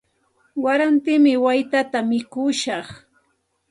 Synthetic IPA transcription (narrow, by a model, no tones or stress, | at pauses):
waɾant̪ɪmɪwajt̪at̪amɪkʊʃɑχ